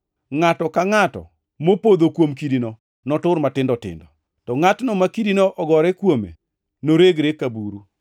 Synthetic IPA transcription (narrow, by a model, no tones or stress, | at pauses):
ŋatɔkaŋatɔ̰ | mopod̪okwomkidino | nɔtʊɾmatɪndɔtɪ̰ndɔ | tɔŋatnɔmakidinoʔɔɡɔɾɛkwomḛ | noɾeɡɾekabuɾu